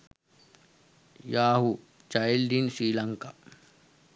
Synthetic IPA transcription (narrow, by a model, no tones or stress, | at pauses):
jaːɦu | t͡ʃajld̪insɾiːlɐŋka